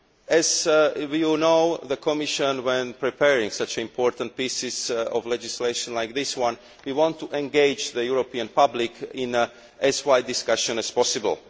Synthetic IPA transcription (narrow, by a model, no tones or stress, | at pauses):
ɛzwjunoʊðəkʰɔmɪʃə̃nwɛ̃npɹipʰɛɹĩŋsat͡ʃĩmpʰɔɹt̪ãnt̚pisɪzɔ̰vlɛd͡ʒɪsleɪʃɔ̃nlajk̚ðɪswãn | wiwɔ̃ntʰːuʔɛ̃nɡeɪd͡ʒðəjuɹopiãnpablɪkʰɪ̃n | ʔɛzwaɪd̪ɪskaʃɔ̃nɛspɔsɪbə̰lˠ